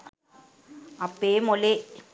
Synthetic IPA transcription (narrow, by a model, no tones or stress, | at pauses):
ɐpːeːmole